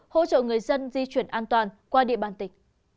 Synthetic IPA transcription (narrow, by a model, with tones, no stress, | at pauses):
ho̰˧˥t͡ɕə̰ː˧˨ŋɨ˨˩əjzə˧nzi˧t͡ɕwi˨˧˩ənʔaː˧nt̪waː˨˩nkwaː˧ɗḭ˧˨əɓaː˨˩nt̪ï˨˩˦ŋ̟